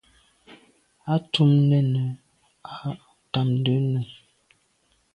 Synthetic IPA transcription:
a˦tu˦mnə˦˨nə˨ | a˨ | ta˨mdə˨˦nə˨

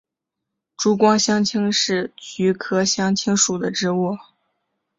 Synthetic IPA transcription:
ʈ͡ʂu˥kwɑ˥ŋɕjɑ˥ŋt͡ɕʰi˥ŋʂɻ̩˥˩t͡ɕy˧˥kʰɤ˥ɕjɑ˥ŋt͡ɕʰi˥ŋʂu˨˩d̪ə˦ʈ͡ʂɻ̩˥wɔ˥˩

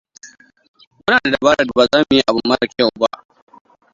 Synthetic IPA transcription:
mʊ˦naː˨da˨da˨baː˦ɽɐ˨dbaː˨zaː˦m˨ji˦ʔa˨bʊ˦mːɐ˦ɐ˨kʲa˨wba̰˦ʔ

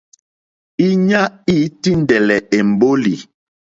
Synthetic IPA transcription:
i˦ɲa˦i˦ti˦n˨dɛ˨lɛ˨e˨m̩˨bo˦li˨

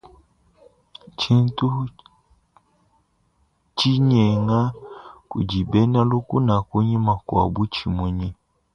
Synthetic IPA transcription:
t͡ʃi˦n˦tu˦ | t͡ʃi˦ɲɛ˨ŋa˦kṵ˨d͡ʒi˨bɛ˦na˦lu˦ku˦na˨ku˦ɲi˦ma˨kwa̰˨bu˦t͡ʃi˨mu˨ɲi˦

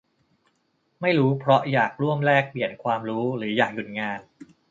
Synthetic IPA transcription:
ma˥˩jɾuː˦˥pʰɾɔ˦˥jaː˨˩k̚ɾu˥˩əmɾɛː˥˩k̚pli˨˩ənkʰwaː˧mɾuː˦˥ɾɯː˩˦jaː˨˩k̚ju˨˩t̪̚ŋaː˧n

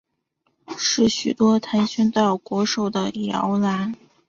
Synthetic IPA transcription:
ʂɻ̩˥˩ɕy˨˩t̪wɔ˥t̪ʰa˧˥nɕɛ˥nt̪ɑ˥˩ʊkwɔ˧˥ʂo˨˩ʊd̪ə˦jɑ̰˧˥ʊla˧˥n

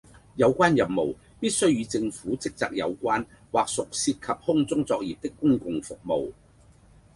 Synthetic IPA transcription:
jɐ˨˧wkʷaː˥njɐ˨˩mmo˨˩w | piː˥t̚sɵ˥ɥjyː˨˧t͡sɪ˧ŋfuː˨˥t͡sɪ˥k̚t͡sa̰ː˨k̚jɐ̰˨˧wkʷaː˥n | waː˨k̚sʊ˨k̚siː˧t̚kʰɐ˨p̚hʊ˥ŋt͡sʊ˥ŋt͡sɔː˧k̚jiː˨p̚t̪ɪ˥kːʊ˥ŋkʊ˨ŋfʊ˨k̚mo̰˨w

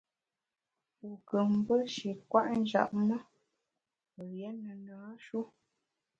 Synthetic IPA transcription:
u˨kə˨m˦bə˦ʃi˨kwa˦ʔn̩˦d͡ʒa̰˨ʔmə˦ | ə˨jɛ˨˦nə˨naː˨˦ʃu˦

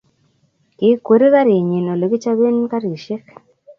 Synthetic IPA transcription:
kɪ˨˦kwo˨ɾi˦ka˦ɾi˨ɲe˨no˨lo˨ɡi˦t͡ʃa˦be˦nka˦ɾi˨ʃe˦k

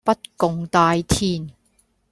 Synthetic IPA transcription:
pɐ˥t̚kʊ˨˧ŋt̪aː˧jt̪ʰiː˧˩n

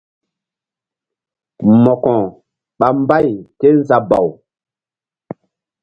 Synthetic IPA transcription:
mɔ˨kɔ̃˨ | ɓa˨mba˦jke˦nza˨ba̰˨w

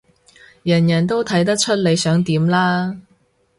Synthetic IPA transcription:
jɐ˨˩njɐ˨˩nt̪o˥wt̪ʰɐ˨˥jt̪̬ɐ˥k̚t͡ʃʰɵ˥t̚le˨˧jsœː˨˥ŋt̪iː˨˥mlaː˥

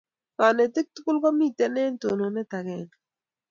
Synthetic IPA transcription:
ka˨ne˨t̪ɪ˦k̚t̪u˦ku˦lkɔ˦mi˦˨t̪ɛ˦nɛː˦nt̪o˨no˨nɛ˦t̪a˨kɛ˦n

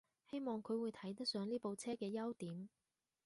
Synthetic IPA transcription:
he˥jmɔː˨˧ŋkʰɵ˨˧ɥwuː˨˧jt̪ʰɐ˨˥jt̪ɐ˥k̚sœː˨˧ŋliː˥po˨wt͡sʰɛː˥kɛː˧jɐ˥wt̪iː˨˥m

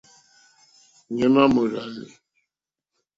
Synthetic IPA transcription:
ɲɛ˦ma˦mo˨ɾa˨ni˨

